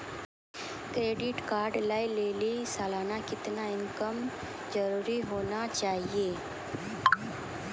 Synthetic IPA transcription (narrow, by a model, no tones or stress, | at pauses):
kɾeːɖɪʈkaːɾɖlaːileːlisaːlaːnakɪt̪naɪnkəm | zɐɾuːɾiɦoːnat͡ʃaːɦieː